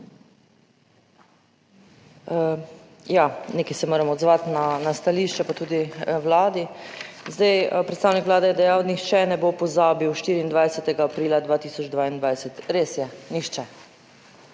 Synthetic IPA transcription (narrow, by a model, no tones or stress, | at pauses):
janeːkɛjsɛmoːɾɛmɔd̪zʋat̪nanast̪aliːʃt͡ʃɛpat̪uːd̪iwlaːd̪izd̪ajpɾɛt̪st̪aːwnikʋlaːd̪ɛjɛd̪ɛjawnixt͡ʃɛnɛbopɔzaːbiwʃt̪iːɾiːnd̪ʋajsɛt̪ɛɡaːpɾiːlad̪ʋaːt̪iːsɔd͡ʒd̪ʋaːind̪ʋajsɛt̪ɾeːsjɛnixt͡ʃɛ